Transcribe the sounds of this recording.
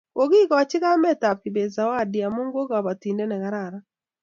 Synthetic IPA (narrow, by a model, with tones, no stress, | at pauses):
o˨ɣi˦ka˨wa˨t͡ʃɪ˦ɣa˦mɛ˦ta˨p̚ki˨be˨za˨wa˦˨di˨a˨mo˦ŋɡo˦ɡa˨ba˨ti˨ndɛ˦nɛ˨ɣa˨ɾa˨ɾa˦